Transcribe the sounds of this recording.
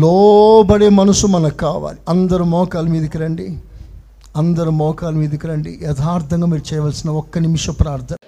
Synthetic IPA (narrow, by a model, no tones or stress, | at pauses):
lɔːbɐɽeːmɐnusumɐnɐkaːʋa̰ːliɐnd̪ɐɾumɔːkaːlɐmiːd̪ikɐɾɐɳɖi | ɐnd̪ɐɾumɔːkaːlɐmiːd̪ikɐɾɐɳɖijɛt̪ʰaːɾt̪ʰɐŋɡaːmiːɾut͡ʃɛːjɐʋɐːlsinɐɔkːɐnimiʂɐpɾaːɾt̪ʰɐnɐ